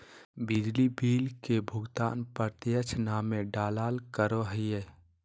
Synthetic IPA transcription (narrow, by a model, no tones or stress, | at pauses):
bɪd͡ʒlibiːlkebʱʊɡt̪a̰ːnpəɾt̪ɪjət͡ʃʰnaːmeɖaːlaːlkəɾoɦəje